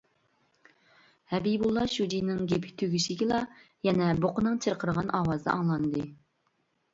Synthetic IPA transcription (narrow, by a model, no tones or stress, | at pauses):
hɛbijbulˠːɑʃud͡ʒinɪŋɡʲepʰɪ̥kʲt̪ʰøɡʲyʃɪɡʲɪlˠɑ | jɛnɛboqʊnɨŋt͡ʃʰɨɾqʰəɾəʁɑnɑwɑzd̪ɑ̰ʔɑŋlˠɑnd̪ɨ